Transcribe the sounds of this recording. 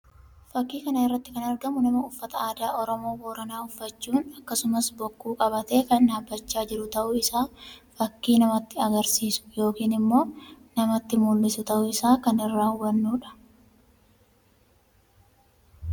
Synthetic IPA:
fɐkːiːkɐnɐɪrːɐt̪ːɪkɐnɐɾɡɐmʊnɐmɐʊfːɐt̪ɐaːd̪aːʔɔɾɔmo̞ːwoːɾɐnaːʊfːɐt͡ʃːuːnɐkːɐsʊmɐsbɔkːuːkʼɐbɐt̪e̞ːkɐnːaːbːɐt͡ʃːaːd͡ʒɪɾʊt̪ɐʔʊɪsaːfɐkːiːnɐmɐt̪ːɪɐɡɐɾsiːsʊ̥jo̞ːkiːnɪmːo̞ːnɐmɐt̪ːɪmʊlːɪsʊt̪ɐʔʊɪsaːkɐnɪrːaːwːɐnːuːᶑɐ̥

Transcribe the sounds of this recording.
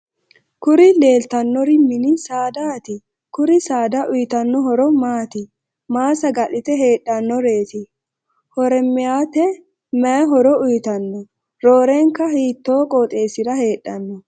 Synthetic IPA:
kʊɾɪle̞ːlt̪ɐnːɔɾɪmɪnɪsaːd̪aːt̪ɪ | kʊɾɪsaːd̪ɐʔʊjɪt̪ɐnːɔɦɔɾɔmaːt̪ɪ | maːsɐɡɐʔɪt̪ɛɦe̞ːɗːɐnːɔɾe̞ːt̪ɪ | hɔɾɛmːɪjaːt̪ɛ | mɛjɐɦɔɾɔʊjɪt̪ɐnːɔ | ɾoːɾeŋkːɐhiːt̪ːoːkʼoːt̪ʼe̞ːsɪd̪ɐhe̞ːᶑːɐnːɔ

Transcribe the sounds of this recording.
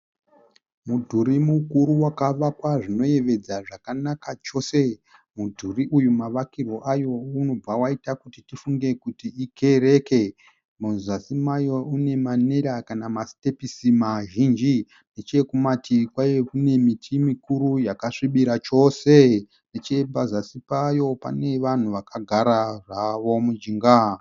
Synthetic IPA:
mudʱuɾimukuɾuwakaʋakwaʐino̞je̞ʋe̞d͡zaʐakanakat͡ʃo̞se̞ | mudʱuriʔujumaʋakiro̞ʔajo̞uno̞b͡vawaitakutitifuŋɡe̞kutiːkʰe̞re̞ke̞ | munzasimajo̞une̞mane̞ɾakanamaste̞pisimaʒind͡ʒi | ne̞t͡ʃe̞kumatikwajekune̞mitʰimikuɾujakaʂiɓiɾat͡ʃo̞se̞ | net͡ʃe̞pazasipajo̞pa̰ne̞ʋan̤uʋakaɡʱaɾaraʋo̞mud͡ʒiŋɡa

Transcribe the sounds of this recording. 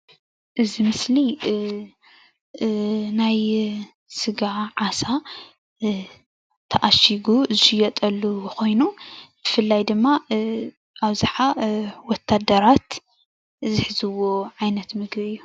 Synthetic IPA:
ʔɨzimɨsli | naj | sɨɡaʕasa | t̪ʰɐʔaʃiɡuzɨʃɨjɐt̪ʼɐlːuko̞jnub̥ɨfɨlːajd̪ɨmːa | ʔaβzaħawɔt̪ʰːad̪ɐɾat̪ | zɨħɨzɨwːo̞ʕajnɐt̪mɨɡbɨjːu

